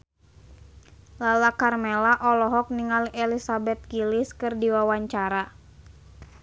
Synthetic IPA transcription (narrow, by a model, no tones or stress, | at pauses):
lalakarmɛlaʔɔlɔɦɔk̚niŋalɛlisabɛt̪̚ɡiliskɨrdiwawaɲt͡ʃaɾa